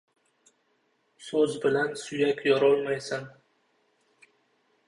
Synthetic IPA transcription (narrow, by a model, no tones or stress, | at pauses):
sɵzbɪlansʊjakʲjɒɾɒlˠmajsɪn